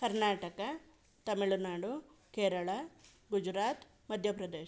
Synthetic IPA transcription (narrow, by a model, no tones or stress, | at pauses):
kɐɾnaːʈɐkɐ | t̪ɐmiɭunaːɽukeːɾɐɭɐ | ɡud͡ʒɾaːt̪ | mɐd̪ʱjɐpɾɐd̪eːʃ